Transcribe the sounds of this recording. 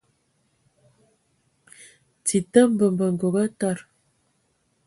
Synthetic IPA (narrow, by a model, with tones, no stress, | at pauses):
t͡si˨t̪ə˦mbə˨mbə˨ŋ˨ɡo˨ɣə˦tɔ˦˨ɾ